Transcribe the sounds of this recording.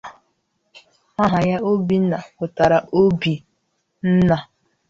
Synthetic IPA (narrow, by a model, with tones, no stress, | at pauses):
a˦ɦa˨ja˦o˦bi˦na˨kʊ˨ta˨ɾa˨ʔo˦bi˨ | n̩˦na˨